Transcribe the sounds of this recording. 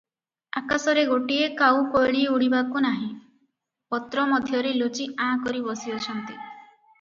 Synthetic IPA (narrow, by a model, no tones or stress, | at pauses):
akasɔɾeɡoʈiekawkojɭieuɽibakunaɦĩ | pɔt̪ɾɔmɔd̪ʱjɔɾelot͡ʃiãkɔɾibɔsiɔt͡ʃʰɔnt̪i